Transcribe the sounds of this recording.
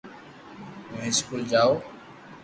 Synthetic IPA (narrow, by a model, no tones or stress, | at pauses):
ũɪskuːld͡ʒaːoː